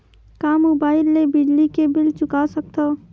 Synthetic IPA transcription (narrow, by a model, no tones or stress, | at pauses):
kaːmobaːɪlːebɪd͡ʒlikebɪlt͡ʃʊkasək̚t̪o